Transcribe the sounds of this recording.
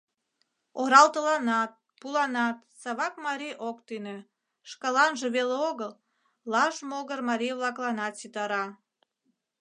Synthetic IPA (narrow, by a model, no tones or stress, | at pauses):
oɾɑlt̪əlɑnɑt̪̚ | pulɑnɑt̪sɑβɑkmɑɾiʔokt̪inø | ʃkɑlɑnʒeβeleoɣəl | lɑʃmoɣərmɑɾʲijβlɑklɑnɑt̪sit̪ɑɾɑ